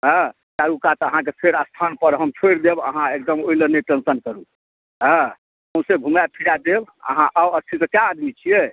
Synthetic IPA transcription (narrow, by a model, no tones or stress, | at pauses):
ɦə̃ | kaɾukat̪əɦãkepʰeɾast̪ʰanpəɾɦəmt͡ʃʰojɾd̪ebə̰ɦãek̚d̪əmoiləneʈənsənkəɾu | ə̃ | əmsebʱumjapʰiɽad̪ebə̰ɦãʔawəst͡ʃ̪ʰisəkjaːd̪mit͡ʃʰie